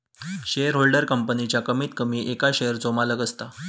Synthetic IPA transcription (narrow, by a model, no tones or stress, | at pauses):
ɕejəɾɦolɖəɾkəmpənit͡ɕjakəmiːt̪kəmiːʔekaɕejəɾd͡zomaləɡəst̪a